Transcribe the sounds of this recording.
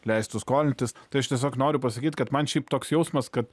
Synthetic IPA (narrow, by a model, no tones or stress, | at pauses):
lʲɛɪst̪ʊskoːlʲɪnʲt̪ʲɪst̪ɐɪɐʃt̪ʲiɛs̬ʲoːknoːɾʲʊpɐsɐkʲiːt̪ʲkɐt̪mɐnʃʲɛɪpt̪oːksjɛʊsmɐskɐt̪